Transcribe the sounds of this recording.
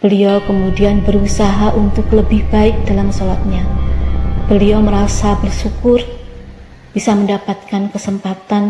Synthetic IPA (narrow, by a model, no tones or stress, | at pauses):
b̥əliokəmudianbəɾusaɦaʔunt̪ʊkləbɪhbaɪk̚d̥alamsolat̪̚ɲa | b̥əlioməɾasabərʃukʊr | b̥isaməndapat̪̚kankəsəmpat̪an